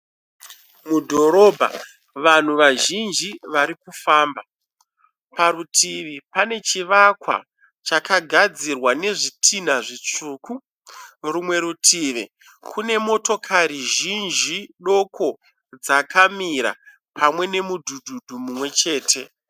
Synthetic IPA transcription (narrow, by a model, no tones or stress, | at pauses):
mudʱo̞ɾo̞ːbʱa̰ | ʋan̤uʋaʒind͡ʒiʋaɾikufaːmba | paɾutʰiʋipane̞t͡ʃiʋakwa̰ | t͡ʃakaɡʱad͡zirwane̞ʐitʰin̤aʐit͡ʂuku | rumwe̞ɾutʰiːʋi | kʰune̞mo̞to̞kʰaɾiʒind͡ʒiɗo̞ko̞ | d͡zakʰamiɾa̰ | pʰamwe̞ne̞mudʱudʱudʱumumwe̞t͡ʃe̞ːtʰe̞